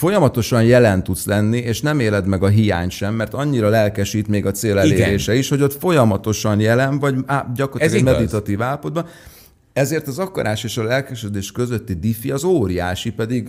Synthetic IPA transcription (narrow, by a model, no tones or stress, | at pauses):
fo̞jɒmɒt̪o̞ʃɒnjɛlɛnt̪ut̪slɛnːieːʃnɛmeːlɛd̪mɛɡɒɦija̰ːɲʃɛmːɛrt̪ɒɲːiɾɒlɛlkɛʃiːt̪meːɡɒt̪seːlɛleːɾeːʃɛiʃho̞ɟo̞t̪fo̞jɒmɒt̪o̞ʃɒnjɛlɛnvɒɟaɟɒkort̪lːkɛmɛd̪it̪ɒt̪iːvaːlːɒpo̞d̪̚bɒ | ɛzeːrt̪ɒzɒkɒ̰ɾaːʃeːʃɒlɛlkɛʃød̪eːʃkø̞zø̞t̪ːid̪ifiɒzoːɾia̰ːʃipɛd̪iɡ